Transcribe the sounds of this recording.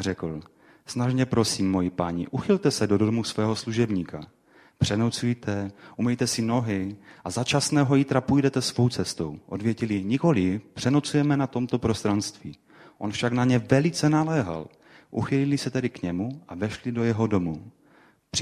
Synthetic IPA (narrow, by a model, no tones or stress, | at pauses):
rɛkl̩ | snaʒɲɛpɾo̞siːmːo̞jipaɲiʔuxɪlt̪ɛsɛdo̞doomusvɛːɦo̞sluʒɛbɲiːka | pr̝̥ɛnowt͡sujt̪ʰɛʔumɛjt̪ɛsɪno̞ɦɪʔazat͡ʃasnɛːɦo̞jit̪ɾapujdɛt̪ɛsvo̞wt͡sɛst̪o̞wʔo̞dvjɛcɪlɪɲɪko̞lɪpr̝̥ɛnot͡sujɛmɛnat̪o̞mt̪o̞pɾo̞st̪ɾanst̪viː | ʔo̞nfʃaknaɲɛvɛlɪt͡sɛnalɛːɦa̰l | ʔṵxɪlɪlɪsɛt̪ɛdɪkɲɛmuʔavɛʃlɪdo̞jɛɦo̞do̞mu | pr̥ɪ